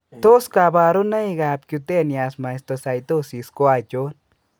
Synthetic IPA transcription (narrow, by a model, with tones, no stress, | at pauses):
t̪o˦skaba˧ɾo˦na˦iɡap̚kju˧t̪e˦˨nia˧sma˨jst̪osa˨jt̪o˦si˧sko˦a˧t͡ʃo˦n